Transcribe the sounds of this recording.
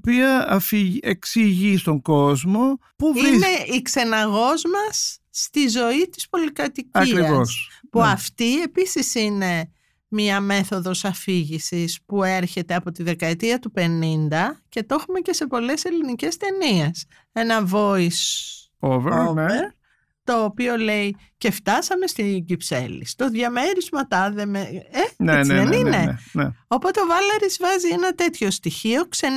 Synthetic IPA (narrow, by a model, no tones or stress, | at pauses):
piɐɐfieksiʝist̪o̞ŋɡo̞zmo̞puvineikse̞nɐɣo̞zmɐsːt̪izo̞it̪i̥spo̞likɐt̪icɐikɾiɐvosspuɐft̪ie̞pisisine̞ | mɲɐme̞θo̞ðo̞sɐfiʝisispue̞ɾçe̞t̪eɐpo̞t̪iðe̞kɐet̪iɐt̪upe̞nind̪ɐce̞t̪o̞xumece̞se̞po̞le̞se̞linice̞st̪e̞nie̞s | e̞nɐvo̞is | voeɾ | t̪o̞ːpio̞le̞i | ce̞ft̪ɐsɐme̞st̪iɟipse̞̰lḭst̪o̞ðʝɐme̞ɾizmɐt̪ɐðe̞meeneðenineno̞po̞t̪eo̞vɐlɐɾizvɐzie̞nɐt̪e̞t̪ço̞st̪içio̞kse̞